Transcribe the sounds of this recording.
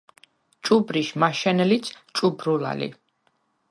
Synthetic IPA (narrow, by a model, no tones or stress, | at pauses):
t͡ʃʼubɾiʃmaʃɛnɛlit̪sʰt͡ʃʼubɾula̰lḭ